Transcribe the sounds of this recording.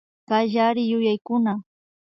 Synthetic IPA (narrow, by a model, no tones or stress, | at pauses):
kaʎaɾɪjʊjajkʊna